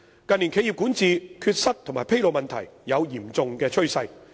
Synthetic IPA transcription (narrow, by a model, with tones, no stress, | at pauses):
kɐ˨nliː˨˩nkʰe˨˧ji˨p̚ku˨˥nt͡siː˨˧kʰyː˧t̚sɐ˥t̚t̪ʰʊ˨˩maː˨˩jpʰe˥jlo˨˧wmɐ˨nt̪ʰɐ˨˩jːɐ˨˧wjiː˨˩mt͡sʊ˨ŋkɛː˧t͡ʃʰɵ˥ɥsɐ˧j